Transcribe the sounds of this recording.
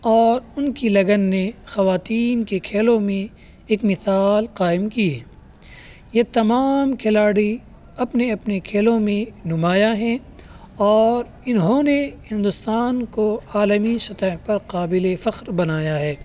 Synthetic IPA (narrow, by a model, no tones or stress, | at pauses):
ɔːɾʊnkilɐɡənːexɐʋaːt̪iːnkekʰeːlõmẽ | eːkmɪsaːlqaːɪmkiɦɛː | jet̪ɐmaːmkʰelaːɽi | ɐpneɐpnekʰeːlõmẽnʊmaːjaɦɛ̃ | ɔːɾ | ɪnɦõnehɪ̃nd̪ʊst̪aːnkoaːləmisɐt̪əɦpɐɾqaːbɪlefɐqɾbɐnaːjaɦɛː